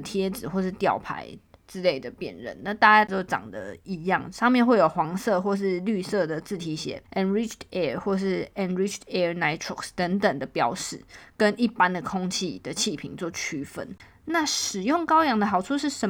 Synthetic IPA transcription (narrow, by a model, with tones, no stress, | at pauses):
t̪ʰjɛ˥d͡zɹ̩˨˩xwɔ˥˧ʂɻ̩˥˩t̪jɑ˥˩ʊpʰa̰˧˥ɪʈ͡ʂɻ̩˥le˥˩ɪd̪ə˩pjɛ̰˨˩nɻə̰˧˦nna˥˧t̪a˥˧t͡ɕa˥˧t̪o˥ʊʈ͡ʂɑ̰˨˩ŋd̪ə̰˦i˧˥jɑ˥˨˩ŋʂɑ˥˧ŋmjɛ˥˨˧nxwe˥˩ɪjo˨˩ʊxwɑ˧˥ŋsɤ˥˧xwɔ˥˧ʂ̬ɻ̩˥˧ly˥˧sɤ˥˩d̪ə˩t͡sɹ̩˥˩t̪ʰi˧˥ɕjɛ̰˨˧˥ʔɛ˧˥nɹi˥t͡ʃʰtɛ˥˩xwɔ˥˧ʂɻ̩˥˩ɛ˧nɹi˥t͡ʃʰtɛ˥na˧˥ɪtʰɹɔ˨kst̪ə˧˥ŋt̪ə˨˩ŋd̪ə˨pjɑ˥ʊʂɻ̩˥˩kə˦ni˥˩pa˦nd̪ə˨kʰo˥ŋt͡ɕʰi˥˩d̪ə˩t͡ɕʰi˥˩pʰḭ˨˩ŋt͡swɔ˥˩t͡ɕʰy˥fə̰˧˥n | na˥˩ʂɻ̩˨˩jo˥˩ŋkɑ˥ʊjɑ˧˥ŋd̪ə˧xɑ˨˩ʊʈ͡ʂʰu˥ʂɻ̩˥˩ʂə˧˦